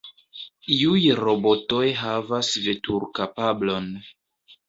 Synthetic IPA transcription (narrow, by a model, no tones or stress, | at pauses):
iujɾo̞bo̞to̞jɦavasve̞tuɾkapablo̞n